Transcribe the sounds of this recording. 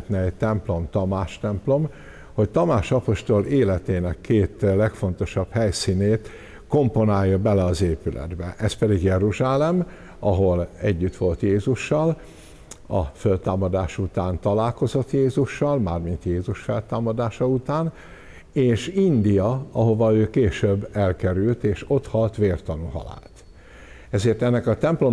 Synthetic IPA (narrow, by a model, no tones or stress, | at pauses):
t̪nɛɛct̪ɛmplo̞mt̪ɒmaːʃt̪ɛmplo̞m | ho̞ct̪ɒmaːʃɒpo̞ʃt̪o̞leːlɛt̪eːnɛkːeːt̪lɛkfo̞nt̪o̞ʃɒbhɛjsiːneːt̪ | ko̞mpo̞naːjːɒbɛlɛɒzeːpylɛ̰d̪bɛʔɛspɛd̪iɡjɛɾuʒaːlɛm | ɒɦo̞lɛɟːyt̪ʋo̞lt̪jeːzuʃːɒl | ɒ̰følt̪aːmɒd̪aːʃut̪aːnt̪ɒlaːlko̞zo̞t̪jeːzuʃːɒlmaːrmint̪jeːzuʃfɛlt̪aːmɒd̪aːʃɒut̪aːn | eːʃind̪ijɒɒɦo̞vɒøːkeːʃøbːɛlkɛɾylt̪eːʃo̞t̪hɒlt̪ʋeːrt̪ɒnuhɒ̰la̰ːt̪ | ɛzeːrt̪ɛnːɛkɒt̪ɛmplo